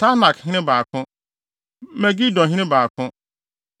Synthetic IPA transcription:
tʰa˦nã˨khɪ̃˦nɪ̃˦baː˨kʰʊ̃˦ | mɛ˨ɡi˦dɔ̃˨ɦɪ̃˦ɪ̃˦baː˨kʰʊ̃˦

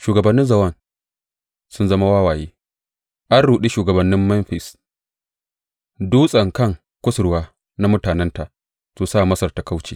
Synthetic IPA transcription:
ʃuː˨ɡɐ˨bɐ˨nːɪ˦nzɐ˨wɐ˦˨n | sʊ˦nzɐ˦ma˦waː˦waː˨jeː˦ | ʔa˦nɽuː˨ɗi˦ʃuː˨ɡɐ˨bɐ˨nːɪ˦mːɛ˦nɸɪ˨s | duː˦sʼɐ˨ŋkɐ˦˨ŋ | kʷʊ˦sʊ˨ɾwaː˦ | na˦mʊ˦taː˨nɛ˦nta˨ʔ | suː˨saː˦˨mɐ˦sɐ˨rta˨ka˦wt͡ʃiː˨

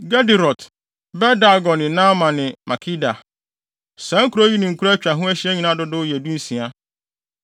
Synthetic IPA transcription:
ɡa˦di˨ɾɔ˨t | bɛ˦da˨ɡɔ˨nɪ̃˨nã˦mã˨nɪ̃˨mʔa˨kʰi˦da˨ | sã˦ŋ̩˦kʰu˦ɾo˦ɥi˦nɪ̃˨ŋ̩˨kʰu˦ɾt͡ɕᶣa˨ɦʊ̃˦æ˦ɕi˦ɛ˦ɲĩ˨nã˦dʊ˦dʊ˦˨jɛ˨du˦n̩˦sĩ˨a˦

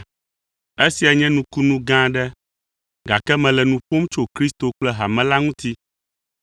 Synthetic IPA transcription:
e˦si˨a˨ɲɛ̃˦nũ˦ku˦nũ˦ɡã˦ɖɛ˦ | ɡa˨kɛ˦mɛ̃˨lɛ˨nũ˨ɸo˦mt͡ʃo˦kɾi˦st̪o˨k͡plɛ˦ɦa˨mɛ̃˨˦la˦ŋũ˦t̪i˦

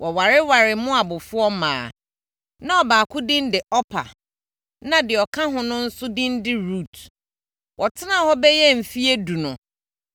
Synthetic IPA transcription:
wɔ˨wa˨ɾɪ˦wa˨ɾɪ˨mʊ̃˦a˨bʊ˨fʊ˦ɔ˦mã̰ː˨ | nã˦ɔ˨baː˨kʰʊ˦dĩ˦ndɪ˨ʔɔ˦pʰa̰˨ | nã˦dɪ˨ɔ˨kʰã˦ɦʊ̃˦nʊ̃˦n̩˦sʊ˦dĩ˦ndɪ˦ɾu˦˨t | wʔɔ˨tʰɪ˦nã˨hɔ˦bɛ˦jɛ˦m̩˨fi˦e˦du˨nʊ̃˨

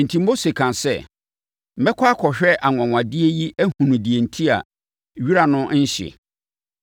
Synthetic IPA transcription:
n̩˨tʰĩ˦m̩˦bo˦se˨kʰã˨nsɛ̰˦˨ | m̩˨bɛ˦kʰʷa˦a˦kʰɔ˨ɕᶣɛ˦ʔa˨ŋʷɔ̃˨ŋʷã˨dɪ˦e˦ji˦æ˦hũ˨nũ˨di˨e˨n̩˨tʰi˦a̰˨ | ɥi˦ɾa˨nʊ̃˦n̩˦ɕɪ̰˨

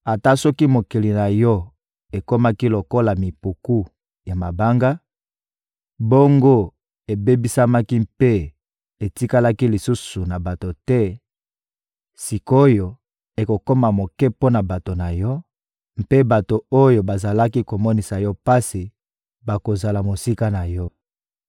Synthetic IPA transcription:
a˨ta˦sɔ˦ki˦mo˨ki˨li˨na˨jɔ˦ | e˨ko˦ma˦ki˦lo˨ko˦la˨mi˨pu˨ku˦ | ja˨ma˨ba˦ŋɡa˦ | bo˦ŋɡo˦ | e˨be˦bi˦sa˦ma˦ki˦mpe˦ | e˨ti˦ka˦la˦ki˦li˨su˦su˨na˨ba˨to˨tɛ˦ | si˨ko˦jo˨ | e˨ko˨ko˦ma˨mo˨kɛ˦po˦na˨ba˨to˨na˨jɔ˦ | m̩pe˦ba˨to˨o˦jo˨ba˨za˨la˦ki˦ko˨mɔ˦ni˨sa˨jɔ˦pa˦si˨ | ba˨ko˨za˨la˨mo˨si˦ka˦na˨jɔ˦

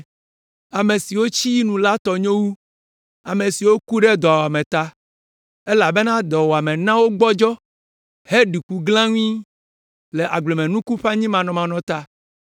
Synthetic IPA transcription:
a˨me˨si˨wo˦t͡ɕi˦ji˦nũ˨la˦t̪ɔ˨ɲõ˦wu˦ | a˨me˨si˨wo˦ku˦ɖɛ˦d̪ɔ˨wa˨mẽ˨t̪a˦ | e˦la˨be˦nã˦d̪ɔ˨wɔ˨a˨mẽ˨nã˦wo˦ɡ͡bɔ˦d͡ʒɔ˦ | he˦ɖi˨ku˦ɡlã˦ŋũ˦ĩ˦ | le˨ʔa˨ɡ͡ble˨mẽ˨nũ˦ku˦ɸa˦ɲĩ˦mã˨nɔ̃˨mã˨nɔ̃˨t̪a˦

